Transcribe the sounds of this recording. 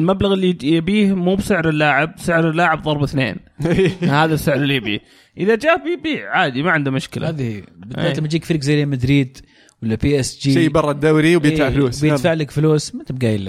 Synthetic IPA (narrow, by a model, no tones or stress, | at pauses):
ɪlmablaɣɪlːijabiːhmuːbsɪʕɾɪlːaːʕɪb̚sɪʕɾɪlːaːʕɪbðˤɑɾˤbɪθnḛːn | haːðabsɪʕɾɪlːijabḭːh | ʔɪðad͡ʒaːhbjbiːʕʕaːd̪imaʕɪnd̪amʊʃkɪlʔahaːðihiːbɪd̪ːa̰ːlɪmad͡ʒiːkfɪɾikzajːmad̪ɾiːd̪ | walːapiːʔɪsd͡ʒiːjbɑrˤːɑd̪ːawɾiwbjɪfaʕluːsbjɪfaʕlakfluːsmat̪ɪb̚ɡajɪlːa